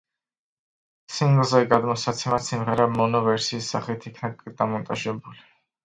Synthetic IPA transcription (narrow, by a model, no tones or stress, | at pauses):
simɡlzɛɡad̪mɔsat̪sʰɛmat̪simʁɛɾamɔnɔvɛɾsiːsːaχit̪ʰikʰnad̪amɔnt̪ʼaʒɛbuli